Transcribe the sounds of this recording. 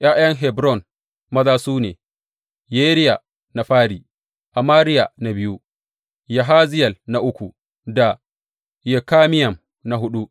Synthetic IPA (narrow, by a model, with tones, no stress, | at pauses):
j̰ʔaː˦jɐ˦ŋɦɛ˨bɾɔ˦˨n | mɐ˦zaː˦suː˦nḛː˨ | jeː˦ɾɪ˦ja˨ | na˨ɸaː˦ɾiː˨ | ʔa˨maː˦ɾɪ˦ja˨na˨bɪ˦ju˦ | ja˨ɦaː˦zɪ˦jɐ˨lna˨ʔʊ˦kʷu˨ | da˨ | je˨kaː˦mɪ˦jɐ˨m | na˨ɦʊ˦ɗu˦ʔ